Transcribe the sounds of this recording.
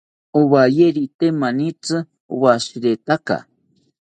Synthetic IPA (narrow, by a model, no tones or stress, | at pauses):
oβajeɾit̪emanit͡sɨ | oβaʃiɾet̪aka̰